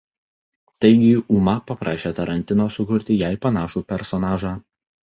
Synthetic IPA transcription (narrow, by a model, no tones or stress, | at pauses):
t̪ɐɪɡʲɪuːmɐpɐpɾɑːʃʲeːt̪ɐɾɐnʲt̪ʲɪnoːsʊkʊɾʲt̪ʲɪjæɪpɐnɑːʃuːpʲɛɾsɔnɑːʒɑː